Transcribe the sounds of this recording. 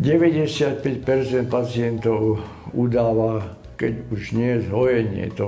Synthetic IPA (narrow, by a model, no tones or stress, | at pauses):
ɟɛʋɛɟɛsɪat̪̚pɛcpɛɾt͡sɛnt̪̚pat͡siɛnt̪ɔʊ | ud̪aːʋa | kɛɟuʒɲɪɛjɛzɦɔjɛɲɪɛ̰t̪ɔ